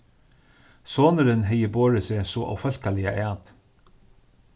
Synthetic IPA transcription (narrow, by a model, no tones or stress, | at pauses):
soːnəɾɪnɦɛjːəboːɹɪsɪsɔʔa̰wfœlkalɪjaʔæːt̪